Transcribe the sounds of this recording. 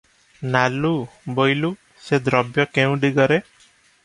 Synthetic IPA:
nalubojlu | sed̪ɾɔbjɔkeũɖiɡɔɾe

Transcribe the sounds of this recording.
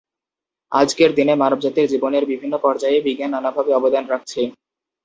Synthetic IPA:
a̰d͡ʑkeɾd̪inemaɾobd͡ʑat̪iɾd͡ʑiboneɾbibʱinːopɔɾd͡ʑaebiɡananabʱabeɔbod̪anɾak̚ʰt͡ɕʰe

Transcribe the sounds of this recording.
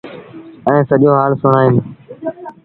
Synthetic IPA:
ɛ̃ːsəʄoːɦaːlsʊɳaːɪm

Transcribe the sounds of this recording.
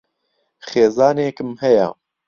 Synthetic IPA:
χeːzɑːneːkɨmhɛjɛ̰

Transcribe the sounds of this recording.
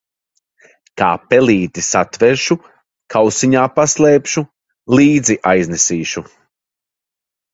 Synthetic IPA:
ka̰ːpɛlˠiːt̪isat̪vɛɾʃu | kʰawsiɲaːpaslˠeːpʃu | lˠiːd̪ziʔajznɛsiːʃu

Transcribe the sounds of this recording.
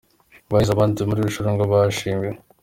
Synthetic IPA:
βaizaβaːntumuɾiːβiʃoɾoŋɡaβaʃiːme

